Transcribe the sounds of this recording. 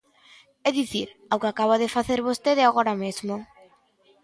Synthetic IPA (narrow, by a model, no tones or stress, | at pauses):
ɛðiθiɾawkɪakaβ̞aðefaθeɾβost̪eðɪaɣɔɾamezmo